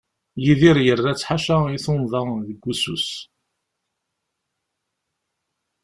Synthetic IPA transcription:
jiðiɾjərˤːat͡sːħaʃaiθonðˤəðəɡʷːusṵs

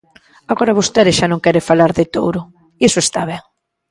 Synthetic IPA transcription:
aɣoɾaβost̪ɛðɪsʃanõŋkɛɾefalaɾðɪt̪owɾʊ | iesʊest̪aβ̞ɛŋ

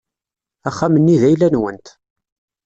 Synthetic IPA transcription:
æχːamənːiðæjlænwənt̪

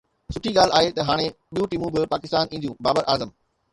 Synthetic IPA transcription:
sʊʈʰiɠaːlaːɦet̪ɐɦaːɽ̃eɓijũʈimũbɪpaːkɪst̪aːnĩːd̪jũːbaːbəɾʔaːzəm

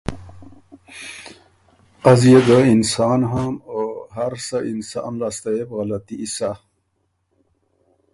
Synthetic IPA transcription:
azjeɡəinsɑːnɦamoɦaɾsaʔinsɑ̰mlaːst̪aepɣɐlat̪iʔːsa

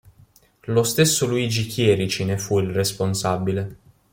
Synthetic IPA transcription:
lost̪esːoluid͡ʒikʰjɛːɾit͡ʃinefuilresponsabile

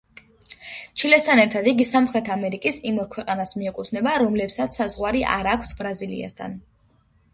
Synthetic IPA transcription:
t͡ʃʰilɛst̪ʰanɛɾt̪ʰad̪iɡisamχɾɛt̪ʰamɛɾikʼisimɔɾkʰwɛqʼanasmiɛkʼut̪sʰnɛbaɾɔmlɛpsat̪ssazʁwaɾiʔa̰ɾakʷʰsbɾazilḭa̰st̪ʰa̰n

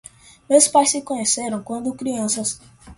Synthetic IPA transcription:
mewspajsːɪkõɲeseɾɐ̃w̃kwɐ̃nd̪ʊkɾiɐ̃sɐs

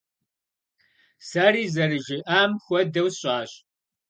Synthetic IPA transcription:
saːɾiːzɐrɨʒɪʔaːmxʷɔdɐwsɕʼaːɕʼ

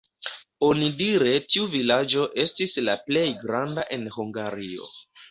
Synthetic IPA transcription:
o̞nidiɾe̞tiuvilad͡ʒo̞ʔe̞stislaple̞jɡɾandaʔe̞nhuŋɡaɾio̞̰

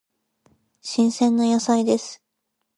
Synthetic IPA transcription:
ɕĩɰ̃sẽ̞nːojasaid̪e̞sɨ̥

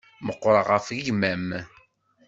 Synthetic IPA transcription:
məqːɾˤəʁəfɣiʝmæm

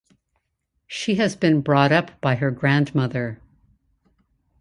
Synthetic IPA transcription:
ʃiɨzbɨ̃nbɹɔɾʌpb̥aɪə˞ɡɹæ̃ndmʌðə˞

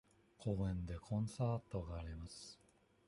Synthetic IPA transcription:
kʰo̞ːẽ̞nd̪e̞kʰõ̞ɰ̃saːt̪o̞ɡaːɾʲimasɨ̥

